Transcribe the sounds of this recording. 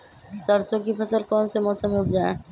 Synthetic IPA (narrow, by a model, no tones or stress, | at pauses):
sɐɾsõkipʰɐsəlkɔːnsemɔːsəmeʊpd͡ʒaːḛ̃